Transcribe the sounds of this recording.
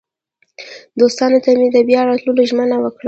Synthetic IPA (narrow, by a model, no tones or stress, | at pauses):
d̪ost̪ɑnot̪amed̪əbjɑɾɑt̪luloʒmənawəkɽa